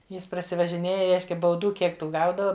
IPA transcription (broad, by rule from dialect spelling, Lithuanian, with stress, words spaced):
ˈjɪs prɐsʲɪʋɐʒʲɪˈnʲeːjɛ ˈrʲɛɪʃʲkʲɛ bɐʊˈduː ˈkʲiɛk ˈtuː ˈɡɐʊdɐʋɐ